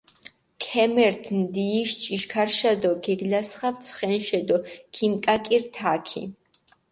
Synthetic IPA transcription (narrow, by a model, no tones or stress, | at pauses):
kʰɛmɛɾt̪ʰnd̪iːʃt͡ʃʼiʃkʰaɾʃad̪ɔɡɛɡlasχavt̪sʰχɛnʃɛd̪ɔkʰimkʼakʼiɾt̪ʰakʰḭ